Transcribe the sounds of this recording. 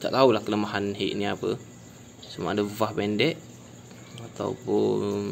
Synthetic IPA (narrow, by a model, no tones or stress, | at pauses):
t̪a̰ʔt̪aulahkələmaɦanɦiʔniapə | səmaʔadəvahbɛndɛʔ | at̪a̰upʊnn